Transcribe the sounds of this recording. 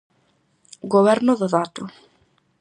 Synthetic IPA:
ɣoβɛɾnʊðoðaːt̪ʊ

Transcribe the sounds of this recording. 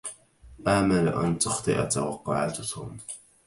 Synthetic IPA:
ʔaːmala̰ʔa̰nt̪ʊxt̪ˤɨ̰ʔa̰t̪awɑqːʊʕa̰t̪ʊt̪ʰʊ̰ːm

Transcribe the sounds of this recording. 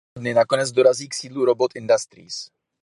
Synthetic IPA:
dnɪnakonɛd͡zdo̞ɾaziːksiːdluɾobot̪ɪndast̪ɾḭːs

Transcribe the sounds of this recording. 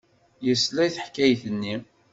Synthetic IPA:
jəslæjθəħkːæjθənːi

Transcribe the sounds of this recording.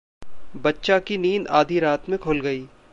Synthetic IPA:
bɐtːʃakiniːna̰ːd̪ʱiɾaːt̪mẽkʰoːlɡɐiː

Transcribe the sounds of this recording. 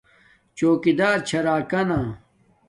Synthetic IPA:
t͡ɕoːkid̪aːɾt͡ɕʰɐɾaːkɐna

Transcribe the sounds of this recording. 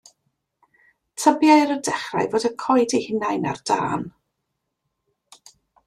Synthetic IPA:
tʰəbjaɾədɛχra̰jvoːdəkʰɔjdihɪnajna̰rd̥a̰ːn

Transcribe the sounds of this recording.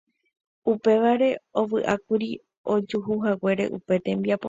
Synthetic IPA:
upe̞ʋaɾe̞o̞ʋɨʔakuɾi | o̞d͡ʒuɦuɦawe̞ɾe̞̰ʔupe̞t̪ẽ̞mbiapo

